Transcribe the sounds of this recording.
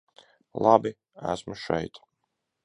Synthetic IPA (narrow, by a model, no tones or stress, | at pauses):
lˠabi | æ̰smuʃɛ̰jt̪